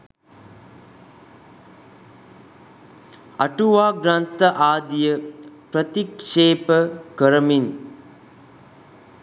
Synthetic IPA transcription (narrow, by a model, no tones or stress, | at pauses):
ɐ̰ʈuʋaːɡɾant̪ɐʔaːd̪ijəpɾət̪ikʂeːpəkəɾəmin